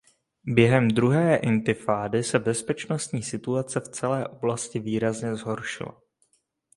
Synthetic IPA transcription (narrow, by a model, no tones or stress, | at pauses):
bjɛɦɛmd̪ɾuɦɛːʔɪnt̪ɪfaːdɪsɛbɛspɛt͡ʃno̞st̪ɲiːsɪt̪uat͡sɛft͡sɛlɛːʔo̞blascɪviːɾazɲɛzɦo̞ɾʃɪ̰la̰